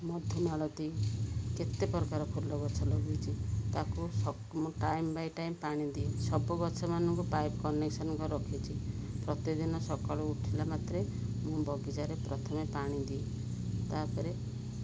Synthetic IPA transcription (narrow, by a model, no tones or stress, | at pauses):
mɔd̪ʱjunaɭɔt̪iket̪epɔɾkaɾɔkʰulːɔɡɔt͡ʃʰɔlɔɡut͡ʃʰit̪akusɔ | mũʈajmbajʈajmpaɽ̃id̪iesɔbɔɡɔt͡ʃʰɔmanɔŋkupajbkɔneksɔnɔŋkɔɾɔkʰit͡ʃʰipɾɔt̪id̪inɔsɔkaɭuuʈʰilamat̪ɾe | mũbɔɡid͡ʒaɾepɾɔt̪ʰɔmepaɽ̃ĩd̪ie | t̪aɾpɔɾe